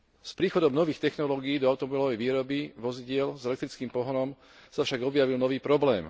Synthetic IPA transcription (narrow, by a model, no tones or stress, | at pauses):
spɾiːxɔd̪ɔmnɔʋiːxt̪ɛxnɔlɔːɡiiːd̪ɔaʊt̪ɔmɔbilɔʋɛjʋiːɾɔbiʋɔziɟɪɛlzɛlɛk̚t̪ɾit͡skiːmpɔɦɔɾɔm | safʃaɡɔbjaʋilnɔʋiːpɾɔblɛːm